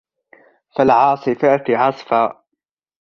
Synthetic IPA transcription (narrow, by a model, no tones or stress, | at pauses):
falʕɑːsˤɨfaːt̪ɪʕɑsˤfaː